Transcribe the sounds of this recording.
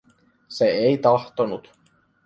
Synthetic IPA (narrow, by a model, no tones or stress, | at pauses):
seejt̪ɑht̪onut̪